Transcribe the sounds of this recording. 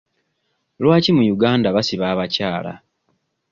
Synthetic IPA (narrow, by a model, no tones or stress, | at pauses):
lwaːcimujuɡaːndaβasiβaːβacaːla̰